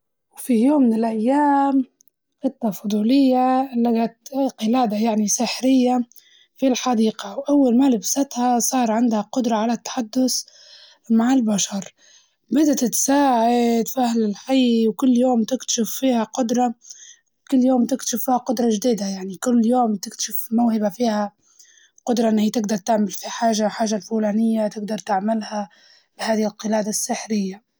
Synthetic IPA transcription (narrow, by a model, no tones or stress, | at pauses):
wfijoːmːɪnɪlʔajːaːm | fɪt̪ːafʊd̪ˤuːlɪjːalaɡat̪qɨlaːd̪ajaʕnisɪħɾɪjːa | filħɑd̪iːqawʔawːalmaːlɪbsat̪hasˤɑːɾˤʕɪnd̪haqʊd̪ɾˤɑʕalat̪ːḁħad̪ːʊs | maʕɪlbaʃɑɾˤ | bɪd̪at̪ɪt̪saːʕaɪt̪fahlɪlħajwkʊlːjoːmt̪ɪkt̪ḁʃɪfːiːhaqʊd̪ɾˤɑ | kʊlːjoːmt̪ɪkt̪ḁʃɪfːiːhaqʊd̪ɾˤɑʒd̪iːd̪ajaʕnikʊlːjoːmt̪ɪkt̪ḁʃɪfmawhɪbafiːha | qʊd̪ɾˤɑʔɪnhit̪ɪɡd̪ɑɾˤt̪ɪʕmɪlfiħaːʒaħaːʒalfuːlaːnɪjːat̪ɪɡd̪ɑɾˤt̪ɪʕmɪlha | b̥haːðɪhɪlqɨlaːd̪asːɪħɾɪjːa